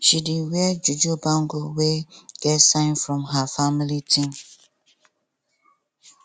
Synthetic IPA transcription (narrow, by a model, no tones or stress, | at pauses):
ʃidiwɛd͡ʒud͡ʒubãŋɡoweɡ̥ɛtsãɪ̃nfɹɔ̃mɦafamilitʰĩm